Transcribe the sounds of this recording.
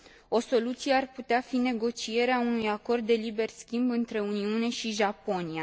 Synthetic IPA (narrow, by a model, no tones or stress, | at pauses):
o̞so̞lut̪sije̞arput̪eafine̞ɡo̞t͡ʃie̞ɾeaunujako̞rd̪ːe̞libe̞rskʲimbɨnt̪ɾe̞uniune̞ʃiʒapo̞nia